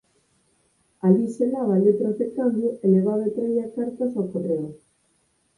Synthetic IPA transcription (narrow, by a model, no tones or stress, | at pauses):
aliselaβalet̪ɾoθekamd̪juʔeleβaβet̪ɾejakaɾt̪asawkoreo